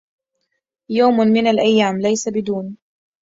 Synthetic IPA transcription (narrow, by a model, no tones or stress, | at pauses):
jaːmmɪnalʔajːaːmlajsabɪd̪uːn